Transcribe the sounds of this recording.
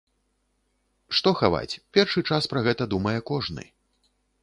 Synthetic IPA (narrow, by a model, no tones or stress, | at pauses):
ʂt̪ɔxava̰t͡sʲpʲɛrʂɨt͡ʂaspɾɐɣɛt̪ɐd̪umɐjɛkɔʐnɨ̰